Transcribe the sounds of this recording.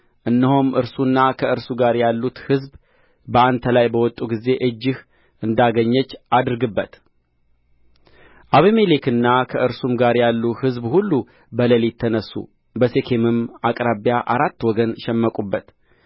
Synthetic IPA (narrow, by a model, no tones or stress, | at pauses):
ʔɨnːɨhomʔɨɾsunːakʰəɨɾsuɡaɾjalːut̪hɨzb | bəant̪ʰəlajbəwɔt̪ʼuɡize̞ʔɨd͡ʒːɪh | ʔɨnd̪aɡəɲːət͡ʃːad̪ɾɡɨbːət̪ | ʔaβimelekɨnːakʰəʔɨɾsumɡaɾjalːuhɨzbhulːu | bələlit̪ʰːənəsːṵ | bəse̞kʰemɨmakʼɾaβjaʔaɾat̪ːwɔɡənʃɛmːəkʼubːət̪